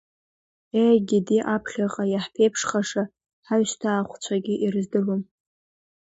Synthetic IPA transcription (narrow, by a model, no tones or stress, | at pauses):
eɡʲɪdiʔapʰχʲaqʼajaħpʰejpʰʂχaʂa | ħaɥʃtʰaːχʷt͡ɕʷʰaɡʲɪʔirzdɨlom